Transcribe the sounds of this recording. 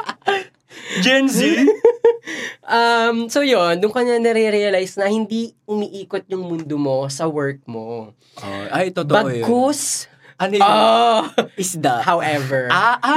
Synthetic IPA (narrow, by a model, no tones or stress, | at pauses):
d͡ʒɛnsi | ʔɐmsojond̪ʊŋkɐɲanɛɾɛɾɛɐlajsnɐhɪnd̪iʔʊmiʔiːkot̪̚ɲʊŋmʊnd̪omo̞sɐwɛɹk̚mo | oʔajt̪ot̪obɐɡkos | ʔɐnoo | ɪsd̪ɐhawʔɛvɛɹaʔ